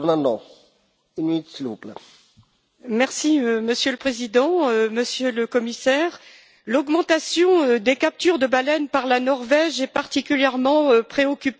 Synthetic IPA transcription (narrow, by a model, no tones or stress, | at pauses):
nãnɔ̃ | ynit̪sluplə | mɛʁsiøməsjøləpχezid̪ɑ̃øməsjøləkɔmisɛʁ | lɔɡmɑ̃t̪asjɔ̃ød̪ekap̚t̪yʁd̪əbalɛnpaʁlanɔʁvɛʒɛpaʁt̪ikʲyljɛʁmɑ̃øpχeɔkʲyp